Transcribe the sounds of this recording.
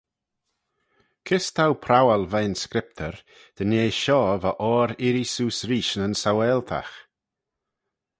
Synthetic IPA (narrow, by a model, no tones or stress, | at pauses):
kʰɪst̪ʰawpʰɾawalvajnskɾɪp̚t̪ʰəɾ | d̪̥əneːʃɔːvaʔɔːɾɪɾisuːsɾiːʃənənsawɛlt̪ʰa̰x